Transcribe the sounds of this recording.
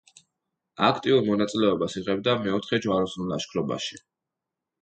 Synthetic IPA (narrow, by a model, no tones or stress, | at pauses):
akʰt̪ʼiuɾmɔnat̪sʼilɛɔbasiʁɛbd̪amɛɔt̪ʰχɛd͡ʒvwaɾɔsnulˠda̰ʃkʰɾɔba̰ʃi̥